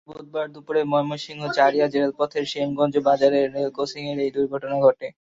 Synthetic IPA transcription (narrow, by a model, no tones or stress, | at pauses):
bod̪̚baɾd̪upoɾemɔjmoʃiŋɡot͡ɕaɾijad͡ʑelelpɔt̪ʰeɾʃemɡɔnd͡ʑobad͡ʑaɾeɾːelkosiŋeɾejd̪uɾɡʱɔʈonaɡʱɔʈe